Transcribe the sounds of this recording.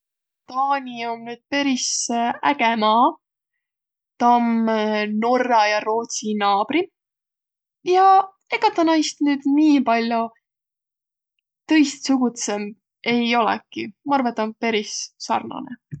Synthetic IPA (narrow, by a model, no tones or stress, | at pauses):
t̪ɑːnʲio̞mnyːd̪̥̚pe̞ɾisæɡ̥emɑː | t̪ɑmno̞rːɑjɑɾo̞ːt̪sinɑːb̥ɾi | jɑ | ekɑt̪ːˑɑnɑjst̪nyːd̪̥niːpɑlʲjo | t̪ɤ̞jst̪suɡ̥ut̪sem | e̞jo̞lɛ̰kimɑɑrvɑet̪ːˑompe̞ɾissɑ̰rnɑ̰nḛ